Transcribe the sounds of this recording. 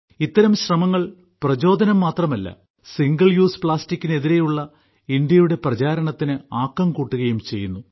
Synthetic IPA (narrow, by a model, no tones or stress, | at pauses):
it̪ːɐɾɐmɕrɐmɐŋːɐɭ | prɐd͡ʑo̞ːd̪ʱɐnɐmːaːt̪rɐmɐlːɐ̰ | siŋɡɐɭjuːspɭaːstikʲːine̞ðiɾe̞juɭːɐ | ind̪jɐjuɽe̞prɐt͡ɕaːɾɐɳɐt̪ːinɨaːkːɐmkuːʈːuɣɐjumt͡ɕe̞jːunːu